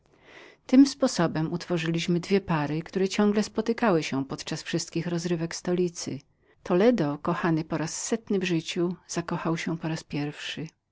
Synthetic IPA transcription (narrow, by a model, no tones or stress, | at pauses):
t̪ɘmspɔsɔbɛmut̪fɔʐɘlʲiɕmɘd̪vʲjɛpaɾɘkt̪uɾɛt͡ɕɔ̃ŋɡlɛspɔt̪ɘkawɘɕɛpɔt̪t͡ʂasfʂɘst̪̚kʲixɾɔzɾɘvɛkst̪ɔlʲit̪sɘ̰ | t̪ʰɔlɛd̪ɔkɔxanɘpɔɾasːɛt̪nɘvʐɘt͡ɕuz̥akɔxawɕɛpɔɾaspʲjɛɾfʂɘ